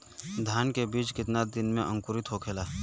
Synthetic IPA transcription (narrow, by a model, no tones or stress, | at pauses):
d̪ʱaːnkebiːt͡ʃkɪt̪nad̪ɪnmẽʔə̃ŋkʊɾɪt̪ɦokʰeːlaː